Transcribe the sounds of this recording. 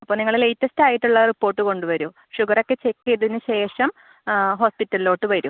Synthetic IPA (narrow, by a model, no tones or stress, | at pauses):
ɐpːoːniŋːɐɭle̞jtːɐstaːjiʈːuɭːɐripːo̞ːrʈːɨko̞ɳɖuʋɐɾu | ʂuɡɐrokːe̞t͡ɕekːejɐðinːɨɕe̞ːʂɐm | ɦo̞ːspitːɐlilo̞ːʈːɨʋɐɾu